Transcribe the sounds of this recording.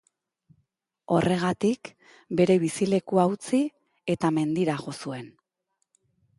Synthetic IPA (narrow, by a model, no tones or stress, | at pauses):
o̞rʔe̞ɣat̪ik | be̞ɾe̞β̞isile̞kuawt͡si | e̞t̪ame̞nd̪iɾaɣo̞sue̞n